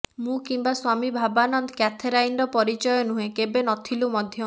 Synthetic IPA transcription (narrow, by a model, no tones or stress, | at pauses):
mũkimbaswamibʱabanɔnd̪ɔkjat̪ʰeɾainɾɔpɔɾit͡ʃɔjɔnuɦẽkebenɔt̪ʰilumɔd̪ʱjɔ